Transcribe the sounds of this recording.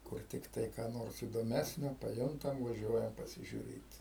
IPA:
ˈkʊr tʲɪkˈtɐɪ kɑː ˈnoːrs iːdoːˈmʲæːsʲnʲoː pɐˈjʊntɐm ʋɐˈʒʲuɔjɛm pɐsʲɪʒʲʊˈrʲeːt

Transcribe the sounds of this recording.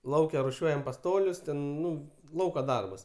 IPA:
ˈlˠɐʊkʲɛ rʊˈʃʲuɔjɛm pɐˈstoːlʲʊs ˈtʲɛn ˈnʊ ˈlˠɐʊkɐ ˈdɐrbɐs

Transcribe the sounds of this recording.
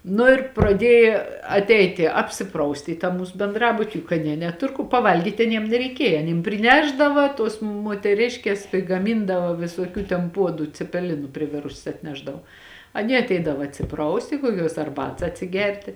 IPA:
nʊ ɪr prɐˈdʲiɛjɪ ɐtʲˈɛɪtʲɪ ɐpʲsʲɪˈprɐʊsʲtʲɪ iː tɑː ˈmuːs bʲɛnˈdrɑːbʊtʲɪ jʊk ɐˈnʲiɛ nʲɛˈtʊr kʊ pɐˈʋɐlʲɡʲiːtʲ ɐˈnʲiɛm nʲɛrʲɛɪˈkʲiɛjɛ ɐˈnʲiːm pʲrʲɪˈnʲæːʒdɐʋɐ tuɔs muɔtʲɛˈrʲɪʃʲkʲeːs pʲrʲɪɡɐˈmʲɪndɐʋɐ ʋʲɪsuɔˈkʲuː tʲɛn ˈpuɔdʊ t͡sʲɛpʲɛˈlʲɪnʊ pʲrʲɪˈʋʲɪrʊsʲɛs ɐtʲˈnʲæːʒdɐʋoː ɐˈnʲiɛ ɐtʲˈɛɪdɐʋɐ ɐtʲsʲɪˈprɐʊsʲtʲɪ kuɔˈkʲuɔs ɐrˈbɐts ɐtʲsʲɪˈɡʲɛrʲtʲɪ

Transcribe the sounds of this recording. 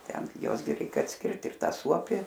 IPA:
ˈtʲɛn ɡʲɪ ˈjuɔs ɡʲɪ ˈrʲɛɪk ɐtʲsʲˈkʲɪrt ɪr ˈtɐ ˈsuɔpʲɪ

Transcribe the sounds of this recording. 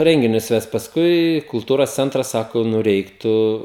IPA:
ˈrʲɛŋʲɡʲɪnʲʊs ˈʋʲɛst pɐsˈkʊɪ kʊlˠˈtuːroːs ˈt͡sʲɛntrɐs ˈsɑːkoː ˈnʊ ˈrʲɛɪktʊ

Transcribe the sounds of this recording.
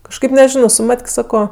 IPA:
kɐʃˈkɐɪp nʲɛˈʒʲɪnoː sʊ ˈmɐtʲkʲ ˈsɑːkoː

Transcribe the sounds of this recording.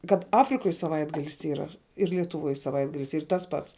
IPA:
kɐt ˈɑːfʲrʲɪkoːj sɐˈʋɐɪdɡɐlʲɪs ˈiːrɐ ɪr lʲiɛtʊˈʋuɔj sɐˈʋɐɪdɡɐlʲɪs ˈiːr ˈtɐs pɐts

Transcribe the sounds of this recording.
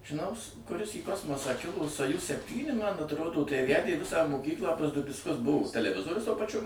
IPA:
ʒʲɪˈnɐʊs kʊˈrʲɪs iː ˈkoːsmoːsɑː ˈkʲɪlˠoː soːˈjʊs sʲɛpʲˈtʲiːnʲɪ mɐn ɐtˈroːdoː tɐɪ ˈʋʲædʲeː ˈʋʲɪsɑː moːˈkʲiːklˠɑː ˈʋʲɪskɐs ˈbʊʋoː tʲɛlʲɛˈʋʲɪzoːrʲʊs tuɔ pɐˈt͡ʃʲʊ

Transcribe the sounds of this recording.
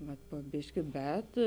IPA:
ʋɐt poː ˈbʲɪʃʲkʲɪ ˈbʲɛt

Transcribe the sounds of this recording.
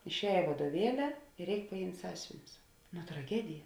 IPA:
ɪʃʲˈɛːj ʋɐduɔˈʋʲiɛlʲɪ ɪr ˈrʲɛɪk pɐˈjɪmʲtʲ ˈsɑːsʲʊʋʲɪnʲʊs noː trɐˈɡʲæːdʲɪjɛ

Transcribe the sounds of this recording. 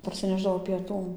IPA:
pɐrʲsʲɪˈnʲæːʒdɐʋoː pʲiɛˈtuː

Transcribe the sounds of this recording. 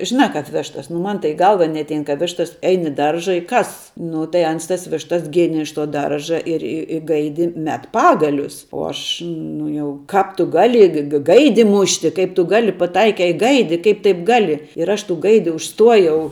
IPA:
ʒʲɪˈnɑː ˈkɐp ˈʋʲæːʃtɐs nʊ ˈmɐn tɐɪ iː ˈɡɐlˠʋɐ nʲɛɐtʲˈɛɪn kɐ ˈʋʲæːʃtɐs ˈɛɪn ɪ ˈdɐrʒɐ ɪ ˈkɐs nʊ tɐɪ ˈɐns tɐs ˈʋʲɪʃtɐs ˈɡʲeːnʲeː ɪʃ toː ˈdɐrʒɐ ɪr ɪ ɪ ˈɡɐɪdʲɪ ˈmʲɛt ˈpɑːɡɐlʲʊs uɔ ˈɐʃ ˈnʊ jɛʊ ˈkɑːp tʊ ˈɡɑːlʲɪ ɡɐ ˈɡɐɪdʲɪ ˈmʊʃʲtʲɪ ˈkɐɪp tʊ ˈɡɑːlʲɪ pɐˈtɐɪkʲɛɪ ɪ ˈɡɐɪdʲɪ ˈkɐɪp tɐɪp ˈɡɑːlʲɪ ɪr ˈɐʃ tuː ˈɡɐɪdʲɪ ʊʃˈstuɔjɛʊ

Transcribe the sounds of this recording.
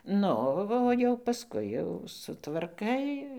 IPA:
ˈnʊ oː jɛʊ pɐˈskʊɪ jɛʊ sʊtʋɐrˈkɐɪ

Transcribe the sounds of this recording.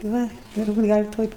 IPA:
ˈʋɐ ˈɪr buːtʲ ˈɡɐlʲ ˈtoːj

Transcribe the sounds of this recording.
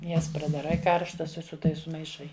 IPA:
ˈjɛs prɐdɐˈrɐɪ ˈkɐrʃtɐs ɪ sʊ ˈtɐɪs sʊmɐɪˈʃɐɪ

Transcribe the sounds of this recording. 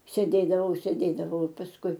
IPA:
sʲeːˈdʲeːdɐʋɐʊ sʲeːˈdʲeːdɐʋɐʊ ɪ pɐsˈkʊɪ

